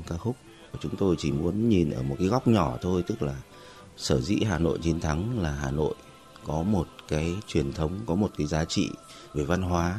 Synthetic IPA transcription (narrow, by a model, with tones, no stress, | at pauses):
kaː˦˥k̚xʊ˦˥k͡p̚t͡ɕʊ˨˦ŋ͡mt̪o˧jt͡ɕi˧˩mu˨˦ənɲi˨˩nʔə̰ː˧˩mo˨˩t̚kaː˨˦jɣa˦˥wk͡p̚ɲɔ˧˩t̪ʰo˧jt̪ɨ˦˥k̚laː˨˩ | səː˧˩zḭ˧˥ɦaː˨˩no̰˧˨jɲi˧ənt̪ʰa˨˦ŋlaː˨˩ɦaː˨˩no̰˧˨j | kɔ˨˦mo˨˩t̚kaː˨˦jt͡ɕwi˨˩ənt̪ʰə˨˦wŋ͡mkɔ˨˦mo˨˩t̚kaː˨˦jzaː˨˦t͡ɕḭ˧˨ | ve˨˩va˧nɦwaː˨˦